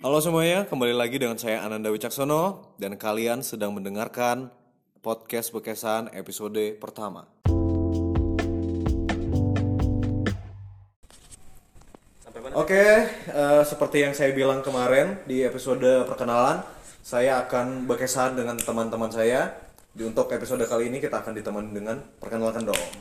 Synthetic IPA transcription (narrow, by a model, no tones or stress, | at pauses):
kalows̬əmuaɲakəmbalilaɡidəŋansajaʔanandawit͡ʃaksonodankaliansədaŋməndəŋarkan | pɔd̪̚kɛs̚bəkesanḛpisodəpərt̪ama̰ | ʔokeəːsəpərt̪ijaŋsajabilaŋkəmaɾɛndiepisodəpərkənalansajaːkanbərkesandəŋant̪əmant̪əmansaja | diunt̪ʊkepisodəkaliːnikit̪aːkandit̪əmandəŋanpərkənalkandoʔ